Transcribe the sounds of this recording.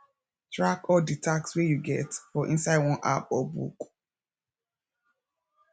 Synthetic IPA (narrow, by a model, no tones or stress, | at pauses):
tʰɹakɔditʰakswejuɡɛtfɔʔĩnsaɪdwɔ̃nʔa̰pɔbṵk